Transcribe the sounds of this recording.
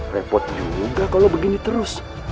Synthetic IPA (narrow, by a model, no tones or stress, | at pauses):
rɛpɔt̪̚d͡ʒuɡakalobəɡinit̪əɾʊs